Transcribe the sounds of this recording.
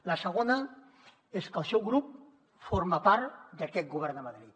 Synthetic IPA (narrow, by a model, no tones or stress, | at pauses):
lasəɣ̞ona | eskəlˠsɛwɣɾup̚ | foɾmapaɾd̪akɛt̪̚ɡuβ̞ɛɾnd̪əmaðɾit̪